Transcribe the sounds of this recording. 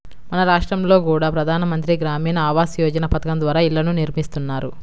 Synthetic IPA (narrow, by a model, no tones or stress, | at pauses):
mɐnɐɾaːʂʈɾɐmlo̞ːkuːɽaːpɾɐd̪ʱaːnɐmɐnt̪ɾiɡɾaːmiːnɐaːʋaːsjɔːd͡ʒɐnɐpɐt̪ɐkɐmd̪ʋaːɾaːilːɐnuniɾmist̪unːaːɾu